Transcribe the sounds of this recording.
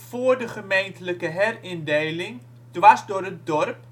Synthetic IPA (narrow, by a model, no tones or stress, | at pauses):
foːrdəχəmejntələkəɦɛrɪndejlɪŋ | d̥ʋasdʊːɾət̚dɔrp